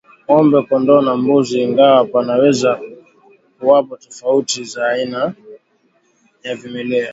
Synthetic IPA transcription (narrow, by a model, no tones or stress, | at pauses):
ɔmbɛkɔndɔnambuziːŋɡawapanawɛza | kuwapatɔfautizaːina | javimɛlɛa